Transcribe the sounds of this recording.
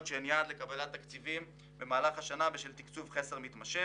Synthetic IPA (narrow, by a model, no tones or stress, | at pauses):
t̪ʃeːnjad̪lekabalat̪ːakt͡sivim | be̞maːlaχhaʃanaveʃelt̪ikt͡suvχeseʁmit̪maʃe